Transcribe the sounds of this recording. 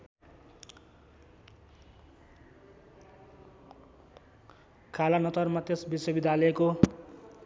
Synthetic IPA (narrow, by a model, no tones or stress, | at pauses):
kʰalanʌt̪ʌrmat̪esbiswʌbid̪ʱjalʌeko